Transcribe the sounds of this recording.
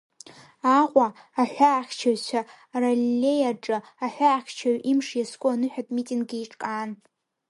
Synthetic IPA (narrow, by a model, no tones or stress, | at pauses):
aqʷʼaː | ħʷᶣaːχʲt͡ʃʰaɕʷa | ralilejaʈ͡ʂʼɨaħʷᶣaːχʲt͡ʃʰaɥʔimʂjaskʷʼʊanɨħʷᶣatʼmitʼiŋɡiiʈ͡ʂʼkʼaːn